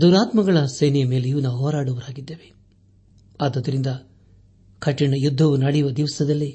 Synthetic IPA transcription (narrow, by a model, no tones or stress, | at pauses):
d̪uːɾaːt̪mɐɡɐɭɐsejnijɐme̞ːlejuːnaːʋuɦɔːɾaːɽuʋɐɾaːɡid̪ːe̞ːʋe | aːd̪ɐd̪ːɐɾind̪ɐ | kʰɐʈːiɳɐjud̪ʱːɐʋunɐɽjuʋɐd̪iʋɐsɐd̪ɐlːi